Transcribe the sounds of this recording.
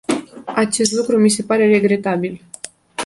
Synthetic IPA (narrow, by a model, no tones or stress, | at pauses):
at͡ʃe̞st̪lukɾumise̞paɾe̞ɾe̞ɡɾe̞t̪abil